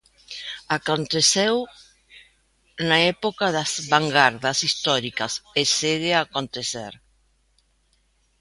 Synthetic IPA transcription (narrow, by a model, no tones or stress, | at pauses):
akont̪eθew | naɛpokaðazβaŋɡaɾðɐsist̪ɔɾikɐseseðeakont̪eθḛɾ